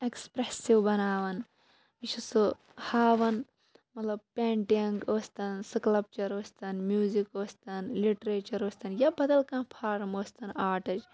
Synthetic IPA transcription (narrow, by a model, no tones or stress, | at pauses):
ekspɾesiʋbɐnaːʋɐn | it͡ʃʰusu | haːʋɐn | mɐt̪lɐb̚peːɳʈiɐŋɡoːst̪ɐnsɨklɐp̚t͡ʃɐɾoːst̪ɐnmjuːzikoːst̪ɐnliʈɐɾeːt͡ʃɐɾoːsʲt̪ɐnjɐbɐd̪ɐlkãːnpʰaːɾmoːst̪ɐnaːʈɐd͡ʒ